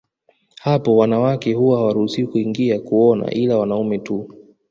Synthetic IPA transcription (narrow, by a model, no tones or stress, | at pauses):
hapɔwanawakɛhuwahawaɾuhusiukuiŋɡiakuɔna̰ʔilawanaumɛtu